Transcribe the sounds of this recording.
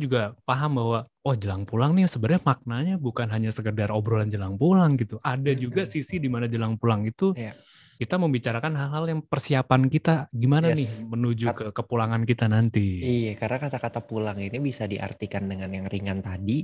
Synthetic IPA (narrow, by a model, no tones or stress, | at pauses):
d͡ʒuɡapaɦambahwaɔhd͡ʒəlaŋpulaŋnɪhsəbərɲamak̚naɲabukanɦaɲasəkədarobɾoland͡ʒəlaŋpulaŋɡit̪uʔadad͡ʒuɡasisidimanad͡ʒəlaŋpulaŋit̪u | kit̪aməmbit͡ʃaɾakanɦalɦaljaŋpərsiapankit̪aɡimananɪhmənud͡ʒukəkəpulaŋankit̪anant̪iijakarnakat̪akat̪apulaŋinibisadiʔa̰rt̪ikandəŋanjaŋriŋant̪adi